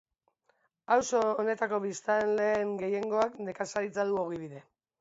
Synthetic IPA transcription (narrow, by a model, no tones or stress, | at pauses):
awso̞ːne̞t̪ako̞βist̪anle̞ːŋɡe̞je̞ŋɡo̞akne̞kasait͡saðuo̞ɣiβiðe̞